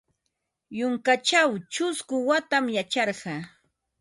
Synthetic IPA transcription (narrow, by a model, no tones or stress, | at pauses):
jʊŋkat͡ʃawt͡ʃʊskʊwat̪amjat͡ʃɑɾɢɑ